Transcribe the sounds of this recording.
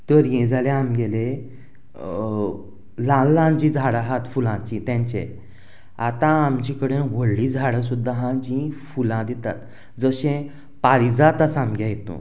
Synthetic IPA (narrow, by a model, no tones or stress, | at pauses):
t̪əɾjẽd͡zʱalẽamɡele | lãlãd͡ʑĩd͡zʱaɽaɦat̪fulãt͡ɕĩt̪jãɲt͡ɕḛ̃ | at̪ãamd͡ʑikəɽẽʋəɽːĩd͡zʱaɽəs̬ud̪ːaɦãd͡ʑĩfulãd̪ɛt̪a̰t̪ | d͡zəɕẽ | paɾid͡zat̪asamɡʱjajet̪õ̰